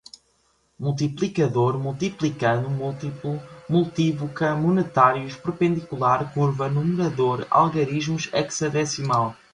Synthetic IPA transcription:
mulˠt̪̬iplˠikɐðoɾmulˠt̪iplˠikɐðumulˠt̪iplumulˠt̪ivukɐmunɨt̪aɾjuʃpɾɨpẽnd̪ikulˠaɾkuɾvɐnumɨɾɐðoɾa̰lˠɣɐɾiʒmuʃɛksɐðɛsimalˠ

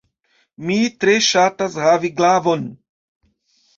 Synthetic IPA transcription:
mitɾeʃatashaviɡlavon

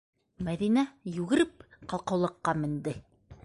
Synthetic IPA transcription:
mæðinæjʉɣɘ̆ɾɘp̚qɑlˠqɤ̆wlˠɤ̆qːɑmɘ̆nd̪ɘ

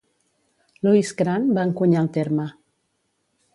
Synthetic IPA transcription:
luisɡɾanbaŋkuɲalˠt̪eɾmə

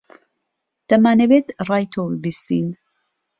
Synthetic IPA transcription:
d̪̥ɐmaːnɛbet̪rɑːjt̪ʰobbist̪ḭn

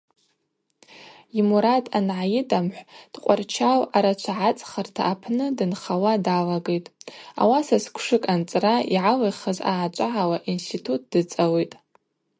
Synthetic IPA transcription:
imuɾatʼanʕajɪdamħʷd̥qʷʼart͡ʃʰawaɾat͡ʃʷʰaʕat͡sʼχartʰaːpʰnɨdɨnχawadalaɡejtʼa̰wasaskʷʰʂɨkʼant͡sʼraiʕalejχazaːt͡ʃʷʼaʕawaʔinstʰitʰut̚ʰd̥ɨt͡sʼawejtʼ

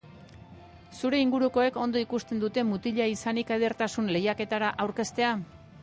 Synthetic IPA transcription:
suɾe̞iŋɡuɾuko̞e̞ko̞nd̪o̞ikust̪e̞nd̪ut̪e̞mut̪iʎaisanikaðeɾt̪asunle̞jake̞t̪aɾaʔawɾke̞st̪e̞a

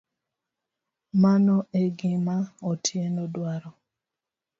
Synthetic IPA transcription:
manɔeɡɪmaɔtʰjenɔdwaɾɔ

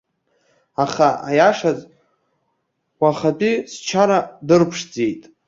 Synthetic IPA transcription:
aχaʔajaʂazʼ | waχatʼist͡ʃʰaɾadɨrpʰʂd͡zejtʼ

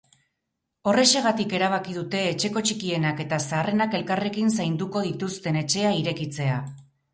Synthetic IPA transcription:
o̞re̞se̞ɣ̞at̪ike̞ɾaβ̞akið̞ut̪e̞ːt͡ʃe̞ko̞t͡ʃikie̞nake̞t̪asaːre̞nake̞lkarekinsajnd̪uko̞ð̞it̪ust̪e̞ne̞t͡ʃe̞aiɾe̞kit͡se̞a

